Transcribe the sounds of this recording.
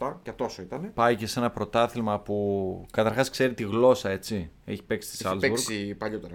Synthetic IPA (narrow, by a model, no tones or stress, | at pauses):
t̪ɐcɐt̪o̞soit̪ɐnepɐicese̞nɐpɾo̞t̪ɐθilmɐpukɐt̪ɐɾxɐskse̞ɾit̪iɣlo̞sɐe̞t͡sie̞̰çi̥pe̞ksi̥st̪i̥sɐlzeuɾsipɐʎot̪eɾɐ